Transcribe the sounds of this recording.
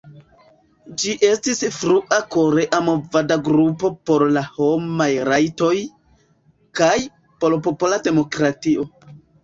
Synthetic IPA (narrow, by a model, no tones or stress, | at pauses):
d͡ʒiʔe̞stisfɾuʔako̞ɾe̞ʔamo̞vadaɡɾupo̞po̞ɾlaho̞majɾajto̞j | kaj | po̞lpopolade̞mo̞kɾatio̞